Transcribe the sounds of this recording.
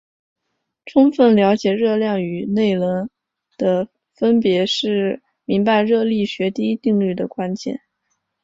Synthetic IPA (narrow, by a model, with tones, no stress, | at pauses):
ʈ͡ʂʰʊ˥ŋfə˥˩nljɑ˧˥ʊt͡ɕjɛ˨˩ɻɤ˥˧ljɑ˥˩ŋy˨˩ne˥˩ɪlə˧˥n | d̪̥ə˧ | fə˥npjɛ˧˥ʂɻ̩˥˩ | mi˧˥ŋpa˧ɪɻɤ˥˧li˥˩ɕɥɛ˧˥t̪i˥i˥t̪i˥˧ŋly˥˩d̪ə˩kwa˥nt͡ɕjɛ̰˥˩n